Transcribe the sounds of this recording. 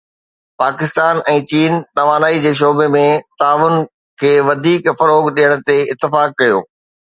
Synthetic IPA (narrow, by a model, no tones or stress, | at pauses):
paːkɪst̪aːnɛ̃ːt͡ɕiːnnɐʋaːnaːid͡ʑeːʃ̬oːbemẽt̪aːʋʊn | kʰeːʋɐd̪ʱiːkfɐɾoːɡɗijəɽ̃ʊ̆t̪eɪt̪ːɪfaːkːɐjo̰ː